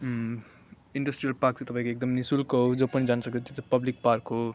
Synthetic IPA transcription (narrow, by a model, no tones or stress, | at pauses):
iɳɖʌsʈrijʌlpak̚t͡set̪ʌpãĩkoek̚d̪ʌmnisulkood͡zopʌnid͡zansʌk̪ʰot̪jot̪apʌblik̚parkɦo